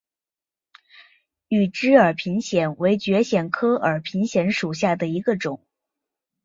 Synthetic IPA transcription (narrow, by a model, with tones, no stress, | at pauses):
y˨˩ʈ͡ʂɻ̩˥ə˞˨˩pʰi˧˥ŋɕjɛ˨˩nwe˧˥ɪt͡ɕɥɛ˧˥ɕjɛ˨˩nkʰɤ˥ə˞˨˩pʰi˧˥ŋɕjɛ˧˥nʂu˨˩ɕja˥˩d̪ə˩i˧˥ɡə˧ʈ͡ʂʊ˨˩˦ŋ